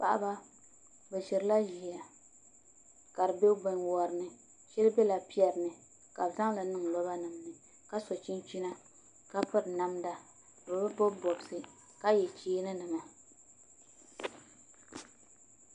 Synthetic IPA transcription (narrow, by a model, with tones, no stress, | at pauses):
pa˦ʔa̰˦ba˦ | bɛ˨ʃɪ˨ɾɨ˨˦la˦ʒi˨a˨ | ka˨ɾɨ˨be˦bɛ˨ɲwɔ˨ɾɨ˨nɨ˨ | ʃɛ˦lɨ˦bɛ˦la˨pi˦ɛ˨ɾnɨ˨ | ka˨bza˦ŋla˨nɨ˦ŋ˨lɔ˦ba˦nɨ˨mnɨ˨ | ka˦sɔ˨t͡ʃi˦nt͡ʃi˦na˦ | ka˦pɨ˦ɾna˦mda˦˨ | ɔ˨bɛ˦bɔ˦bɔ˨bsɨ˨ | ka˦jɛ˨t͡ʃeː˦nɨ˦nɨ˨ŋa˨